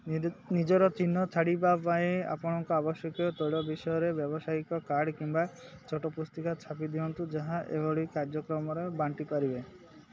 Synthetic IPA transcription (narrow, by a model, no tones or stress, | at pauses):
nid͡ʒɔɾɔt͡ʃinːɔt͡ʃʰaɽibapajea̰pɔɽ̃ɔŋkɔabɔsjɔkjɔt̪ɔjɭɔbiʃɔjɔɾebjɔbɔsaikɔkaɽkiŋbat͡ʃʰɔʈɔpust̪ikat͡ʃʰapid̪iɔnt̪ud͡ʒaɦaʔḛbɔɭikaɾd͡ʒɔkɾɔmɔɾebaɳʈipaɾibe